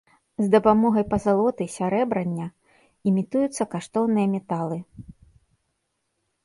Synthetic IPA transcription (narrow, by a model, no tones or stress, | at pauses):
zd̪ɐpamɔɣɐjpɐzalˠɔt̪ɨsʲaɾɛbɾɐnʲːɐ | imʲit̪ujut̪sːɐkaʂt̪ɔwnɨjɐmʲɛt̪alˠɨ